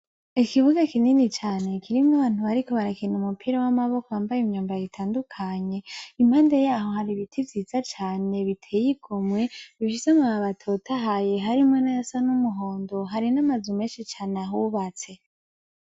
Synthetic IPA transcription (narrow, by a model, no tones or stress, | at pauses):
ikiβuɡakininit͡ʃaːne̞kiɾimŋaβaːn̥uβaɾiko̞βaɾakinumupʰiɾawamaβo̞kowaːmbajimɲuːmbaaβitʰaːndukʰaɲe̞im̥haːndajaːho̞haɾiβitʰivjiːz̥at͡ʃaːne̞βitʰeːjikʰomwe̞βifisamuaβatʰotʰaɦaje̞ɦaɾimŋonajasanumuɦo̞ːndo̞ɦaɾinamazumeːnʃit͡ʃaːneaɦuβat͡se̞